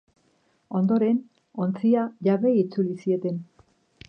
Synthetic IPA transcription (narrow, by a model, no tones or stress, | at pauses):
o̞nd̪o̞ɾe̞n | o̞nt͡siaʝaβe̞it͡sulisie̞t̪e̞n